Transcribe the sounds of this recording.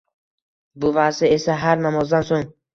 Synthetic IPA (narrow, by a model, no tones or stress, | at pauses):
bʊvasɪe̞saɦaɾnamɒzd̪ansoŋ